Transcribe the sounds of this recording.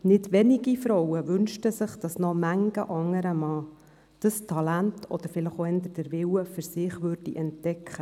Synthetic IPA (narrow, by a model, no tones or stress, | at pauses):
nɪdʋɛnɪɡifɾɔwəvʏnʃtəsɪχd̥ɑsnɔmæŋɡ̥ə̰ʔɑŋːəɾəmɑː | d̥ɑstʰɑlæntʰɔ̰d̥̪əɾfɪləχoɛnd̪əd̥əɾvɪwəfʏɾsɪχʋʏːrdiʔɛntd̥ɛkʰχə